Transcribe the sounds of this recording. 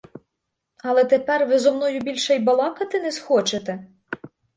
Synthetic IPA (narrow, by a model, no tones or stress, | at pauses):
ɐlˠɛt̪epɛrʋɪzɔmnɔjʊbʲilʲʃɛjbɐlˠɑkɐt̪ɪnɛsxɔt͡ʃet̪ɛ